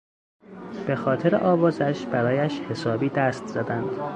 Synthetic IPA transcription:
b̥e̞xɒːt̪ʰeɾḛʔɒːvɒːzæʃbæɾɒːjæʃhe̞sɒːbiːd̪æst̪z̥æd̪ænd̪̥

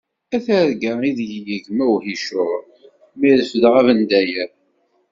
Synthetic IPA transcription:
æθæɾɡəɾˤiðjjəʝmæwhiʃʊʁ | miɾfəðʁævənd̪æjæ

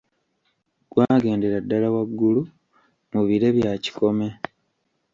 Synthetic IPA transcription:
ɡ̥waːɡe̞ːndeɾadːalawaɡːulu | muβiɾe̞βjaci̥ko̞me̞

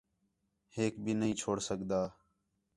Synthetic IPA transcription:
heːkbʱiːnəɦĩːt͡ʃʰoːɽsəɡd̪aː

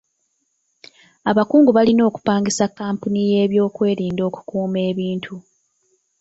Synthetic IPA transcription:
aβakuːŋɡuβalino̞ːku̥paːŋɡisakːaːmpunijeːβjo̞ːkwe̞ːɾiːndo̞ːku̥kuːme̞ːβiːntʰu

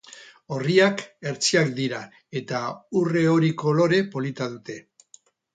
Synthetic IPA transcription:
o̞riake̞ɾt͡siakd̪iɾa | e̞t̪aure̞o̞ɾiko̞lo̞ɾe̞po̞lit̪að̞ut̪e̞

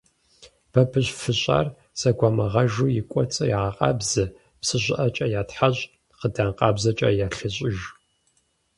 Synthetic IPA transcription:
b̥ɐbʰɨɕfɨɕʼa̰ːr | sɐɡʷamɐʁɐʒuːjɪkʷʼɔt͡sʼɐjʁaqʼɑ̰ːbzɨ | psɨʑʷɪʔɐt͡ʃʼɐjaːtħaɕ | qədaːnqʼɑːbzɐt͡ʃʼɐ̰jaɬɨɕʼɪʒ

